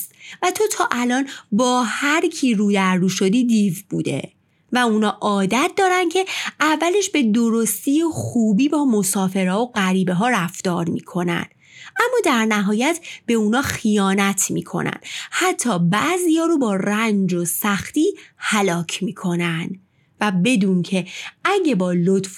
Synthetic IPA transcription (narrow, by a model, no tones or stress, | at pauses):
svæt̪ʰo̞t̪ʰɒːʔælɒːnbɒːhæɾcʰiːɾuːd̪æɾːuːʃo̞d̪iːd̪ivbuːd̪e̞̰ | væuːnɒːʔɒːd̪æt̪̚ʰd̪ɒːɾæn̥cʰe̞ævːæle̞ʃbe̞d̪o̞ɾo̞st̪iːjexuːbiːbɒːmosɒːfe̞ɾɒːoɢæɾiːbeɦɒːɾæft̪ɒːɾmḭːkʰo̞næ̰nd̪̥ | ʔæmːɒːd̪æɾnæɦɒːjæt̪ʰb̥e̞uːnɒːxijɒːnæt̪ʰmḭːkʰo̞̰næ̰nd̪̥hæt̪ʰːɒːbæːziːjɒːɾobɒːɾænd͡ʒosæxt̪iːhælɒːcʰmiːkʰo̞nænd̪̥ | væbe̞d̪uːncʰe̞æɟe̞bɒːlot̪f